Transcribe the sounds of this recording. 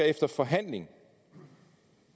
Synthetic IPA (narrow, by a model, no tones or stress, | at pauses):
ɐefd̥ɐfɒ̽ɦæn̰le̝ŋ